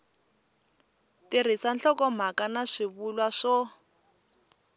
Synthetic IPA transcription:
tɪr̤isanɬɔkɔm̤akanaʂiβulwaʂɔ

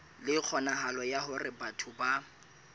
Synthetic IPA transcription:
lɪk͡xʰɔnaɦalɔjaɦʊrɪbatʰʊba

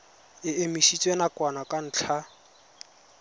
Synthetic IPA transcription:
ɪemiʃit͡sʼwenakwanakʼan̩t͡ɬʰa

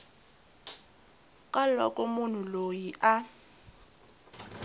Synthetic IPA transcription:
kʼalɔ̰kʼɔmun̤ulojiʔa

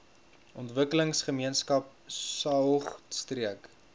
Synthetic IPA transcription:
ʔɔntvəkələŋsχəmiənskɐp̚sɐwχstriək

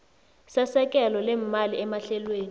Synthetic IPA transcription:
sɛsɛk̬ʼɛlɔlɛm̩maliɛmaɬɛlweːni

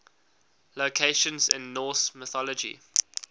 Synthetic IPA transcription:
lokʰeɪʃə̃nzɪ̰̃nːɔːˑsmɪθɔləd͡ʒḭ

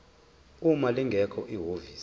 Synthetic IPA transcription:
umaliŋɡʱɛkʰɔʔiɦoviːs

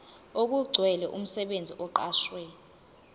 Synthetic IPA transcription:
ok̬uɡ͡ǀʱwɛlɛʔum̩sɛɓend͡zʱiʔɔǃaːʃwɛ

